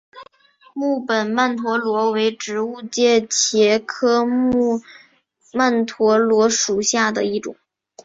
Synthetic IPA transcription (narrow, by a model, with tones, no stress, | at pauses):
mu˥˩pə˨˩nma˥˩nt̪ʰwɔ˧˥lwɔ˧˥we˧˥ɪʈ͡ʂɻ̩˧˥u˥˧t͡ɕjɛ˥˩t͡ɕʰjɛ˧˥kʰɤ˥mu˥˧ | ma˥˩nt̪ʰwɔ˧˥lwɔ˧˥ʂu˨˩ɕja˥˩d̪ə˩i˥˩ʈ͡ʂʊ̰˨˩˦ŋ